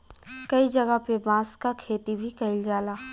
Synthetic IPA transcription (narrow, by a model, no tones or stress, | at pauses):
kɐid͡ʒɐɡəpebãːskakʰeːt̪ibʱikɐɪld͡ʒaːlaː